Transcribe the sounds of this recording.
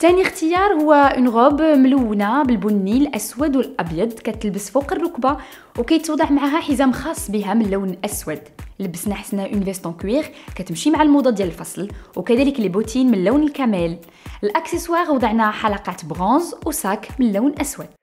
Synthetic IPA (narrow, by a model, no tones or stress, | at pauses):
t̪ænixt̪əjɑɾˤhʊwːæʔənɣobmluwːnæbəlbʊnːilʔæswæd̪wəlʔɑbjɑd̪ˤkæt̪əlbəsfuqərˤːʊkba | wkæjət̪wd̪ˤɑʕmʕaɦæħizæmxɑsˤːbiɦæmənːuwnʔæswæd̪ləbːəsnaħə̥snæʔynvæst̪ɔ̃kwiʁkæt̪əmʃimaʕalmud̪ˤɑd̪jæləlfɑsˤlwkæd̪æləklibut̪ʰinmənlːæwnəlkæmæl | əlʔæksəswɑʁwd̪ˤəʕnæħalɑqɑt̪bʁɔ̃zwsækmənːæwnʔæswæd̪̥̚